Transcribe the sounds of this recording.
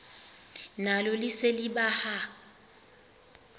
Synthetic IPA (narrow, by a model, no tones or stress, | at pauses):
nalʊlɪselɪbaha